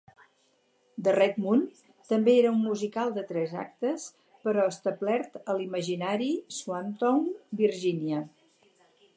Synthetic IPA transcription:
d̪ərɛd̪mun | t̪əmbeeɾəumːuzikalˠd̪ət̪ɾɛza̰k̚t̪əs | pəɾɔəst̪əblɛɾt̪əliməʒinaɾiswant̪ɔŋbiɾʒinjə

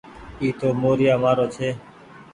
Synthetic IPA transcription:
iːt̪oːmoːɾɪjaːmaːɾoːt͡ʃʰeː

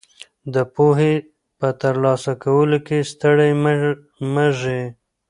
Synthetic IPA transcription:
d̪əpoɦe | pət̪əɾlɑsakawəlokest̪əɽaj | məʒe

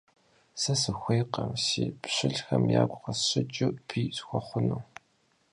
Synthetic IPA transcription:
sɐsɨxʷeːqɐmsiːpɕɪɮxɐmja̰ːɡʷʼqɐɕɪt͡ʃʼʊpʰiːsxʷɔχʷʊnuː

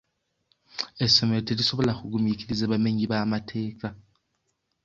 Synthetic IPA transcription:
esɔmɛlotʰelisɔɓɔlaxuk̬um̩jikʰʼilizɛɓameɲiɓamatʰɛːk̬ʼa

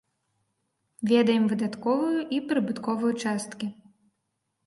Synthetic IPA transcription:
vʲɛd̪ɐjɛmvɨd̪at̪kɔvɨjuʔipɾɨbɨt̪kɔvɨjut͡ʂast̪kʲi

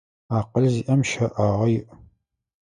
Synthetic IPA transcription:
aːqəɮziʔɐmʃɐʔaːʁɐjɪʔ

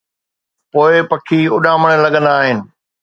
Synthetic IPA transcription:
poːɪpɐkʰiʊɗãːməɽ̃əlɐɠə̃nd̪aːɦɪnɪ̆

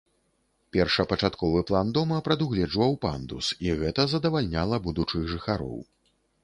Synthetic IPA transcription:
pʲɛrʂɐpɐt͡ʂat̪kɔvɨplˠand̪ɔmɐpɾɐd̪uɣlʲɛd͡ʐvɐwpa̰nd̪usiɣɛt̪ɐzɐd̪ɐvalʲnʲalˠɐbud̪ut͡ʂɨɣʐɨxaɾɔ̰w

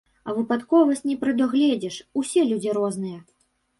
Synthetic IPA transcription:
ɐvɨpat̪kɔvɐsʲt͡sʲnʲɛpɾɨd̪ɔɣlʲɛd͡zʲɛʂusʲɛlʲud͡zʲiɾɔznɨjɛ

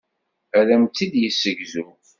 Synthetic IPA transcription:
ælæmt͡s̪ːid̪jəsːəɡzu

